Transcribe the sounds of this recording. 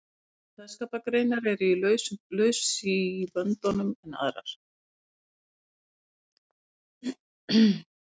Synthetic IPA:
θɛskaːpakɾejnaɾɛɾʏilœɥslœːɥssiːvœnt̪ɔnʏmɛna̰ðɾa̰ɾ̥

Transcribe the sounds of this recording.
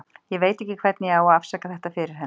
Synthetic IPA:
jɛveːjt̪ɛhcːɪkʰv̥ɛt̪nɪjɛawaðafsakaθɛht̪afɪɾɪɾ̥ɦɛ

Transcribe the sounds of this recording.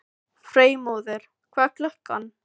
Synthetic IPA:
fɾeːjmoːwðɪɾ̥ | kʰvaːklœhka̰n

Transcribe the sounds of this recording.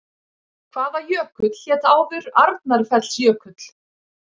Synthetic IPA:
kʰv̥aːðaɾjœːkʏt̪l̥jɛːt̪aːwvʏɾaɾt̪̚naɾfɛt̪l̥sjœːkʏt̪l̥

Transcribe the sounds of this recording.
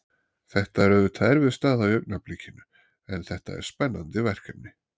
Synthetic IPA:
θɛht̪aɛɾœvʏɾt̪ʰaɾvɪðst̪aːðawjœɥk̚naplicɪnʏ | ɛnθɛht̪a̰ɛ̰ɾ̥spɛnːant̪ɪvɛr̥kat̪nɪ

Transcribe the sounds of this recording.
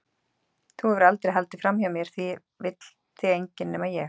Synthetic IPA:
θuɛvɾalt̪ɾɛɦalt̪ɪ̥fɾamhiamjɛɾ̥θvi | vɪt̪l̥ | θʰɪejɲcɪnːɛmajɛx

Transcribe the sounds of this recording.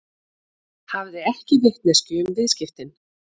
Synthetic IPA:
havðɪɛhcɪvɪht̪nɛscʏːmvɪðscɪft̪ɪn

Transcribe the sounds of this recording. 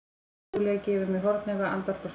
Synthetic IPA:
lɛːɣcɛːvɪmɛɦɔɾt̪nɛɣaa̰nt̪ar̥pɔs

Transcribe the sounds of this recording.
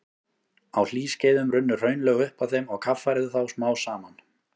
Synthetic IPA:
awl̥iːsceːjðʏmrʏnːʏr̥œːɥnlɛɣʏhpaθejmɔɣkʰafːaɾɪðʏθawsmaːwsaːman

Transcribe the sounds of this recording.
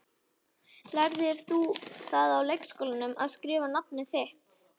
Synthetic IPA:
laɾðɪɾ̥θuθaðawlejkskɔːwlanʏma̰ðskɾɪːvanap̚nɪθɪht̪

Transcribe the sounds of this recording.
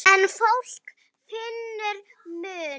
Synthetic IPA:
ɛnfowl̥k | fɪnːʏɾ | mʏː

